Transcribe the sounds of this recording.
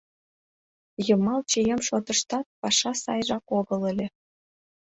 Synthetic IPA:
jɤ̆mɑlˠt͡ɕejemʃot̪ɤ̆ʃt̪ɑt̪̚pɑʂɑsɑ̰jʐɑkoɡɤ̆lĕlʲĕ

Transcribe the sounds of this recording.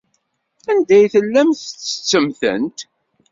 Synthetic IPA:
ænd̪æjθəlːæmθət͡sːə̥t͡sːəmθə̰nt̪

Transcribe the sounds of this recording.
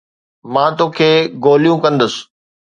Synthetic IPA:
mãːt̪oːkʰeːɡoːlijũkɐ̃nd̪əsɪ̥

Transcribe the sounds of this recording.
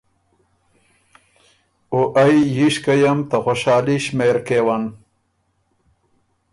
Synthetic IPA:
oʔajjiɕkɐjɐmt̪ɐxoɕaːliɕmeɾkewan

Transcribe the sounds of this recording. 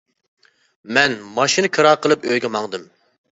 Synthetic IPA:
mɛnmɑʃinɨkʰɨɾɑːqʰəlˠɨpøjɡʲɛmɑŋd̪ɨm

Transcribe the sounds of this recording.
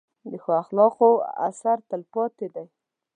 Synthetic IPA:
d̪əxoaxlɑqoa̰saɾt̪əlpɑt̪ed̪aj

